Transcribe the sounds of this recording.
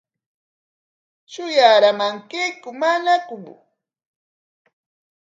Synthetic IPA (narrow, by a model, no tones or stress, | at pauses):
t͡ʃʊjaːɾamaŋkejkʊmanakʊm